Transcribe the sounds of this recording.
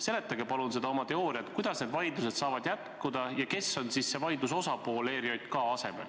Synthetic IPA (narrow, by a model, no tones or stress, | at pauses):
se̞le̞t̪ːˑɑɡe̞pɑlunse̞d̪̥ɑomɑt̪e̞o̞ːɾiɑt̪ˑkujd̪̥ɑsne̞d̪vɑjd̪luse̞d̪̥sɑːvɑd̪̥jæt̪kud̪̥ɑjɑke̞sːo̞nsisːe̞vɑjd̪uso̞sɑpo̞ːle̞ːɾiɑjd̪kɑɑse̞me̞̰l